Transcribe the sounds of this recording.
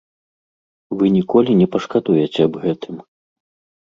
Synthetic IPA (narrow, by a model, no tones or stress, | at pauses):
vɨnʲikɔlʲinʲɛpɐʂkad̪ujɛt͡sʲɛːbɣɛt̪ʰɨm